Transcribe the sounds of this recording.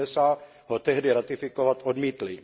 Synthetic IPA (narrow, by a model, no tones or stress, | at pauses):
ɛsa | ɦot̪ɛɦdɪɾat̪ɪfɪkovat̪ʔodmiːt̪lɪ